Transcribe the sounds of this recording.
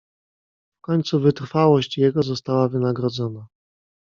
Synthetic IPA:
fkɔɲʲt̪suvɘt̪ɾfawɔɕt͡ɕjɛɡɔzɔst̪awavɘnaɡɾɔd̪zɔna

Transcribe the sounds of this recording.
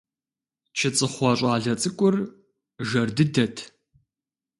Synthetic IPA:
t͡ʃʰɪt͡sʼɨχʷɑːɕʼɑːɮɐt͡sʼɨkʷʼʊr | ʒɐrdɨdɐtʰ

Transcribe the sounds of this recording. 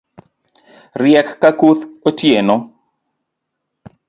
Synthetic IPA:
rjɛkːakuθotjeno

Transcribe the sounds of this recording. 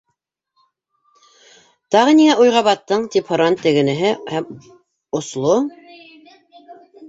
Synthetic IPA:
t̪ɑʁɤniŋæʔujʁɑβɑt̪ːɤɴt̪iphŏɾɑnt̪ɘ̆ɡɘ̆nɘ̆ɦɘhæm | ŏslˠo

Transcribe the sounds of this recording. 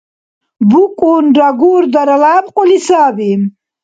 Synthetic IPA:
bukʼoːnɖaɡuːɾd̪ɐɾɐlaːbqolisaːbim

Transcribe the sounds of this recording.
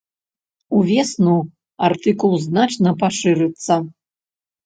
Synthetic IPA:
uvʲɛsnu | art̪ɨkulˠznat͡ʂnɐpaʂɨɾɨt̪sːɐ

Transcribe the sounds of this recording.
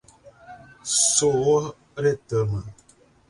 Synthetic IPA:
sowo | ɾetəmə

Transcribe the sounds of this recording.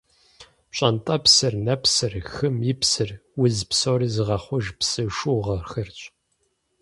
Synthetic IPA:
ɕʼɐntʼɐpsɨrnɐpsɨrxɨmjɪpsɨrwʊzpsoːɾizɨʁɐχʷʊʒpsɨʂuːʁɐrxɨrt͡ʃʼ

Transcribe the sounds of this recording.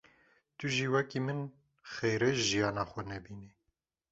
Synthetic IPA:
t̪uʒiːwɛkiːmɨn | xejɾɛʒijɑːnɑːxʷɛnɛbiːni

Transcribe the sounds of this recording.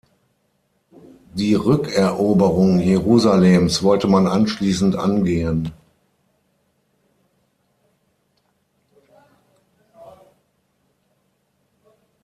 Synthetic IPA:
d̥iːʁʏkɛɐʔoːbəʁʊŋjeʁuːzaleːmsv̥ɔltəmanʔanʃliːsn̩tʔa̰nɡeːən

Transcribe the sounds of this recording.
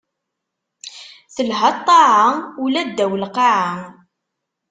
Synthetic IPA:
θəlɦɑt̪ˤːɑʕaulæd̪ːæwəlqɑʕa

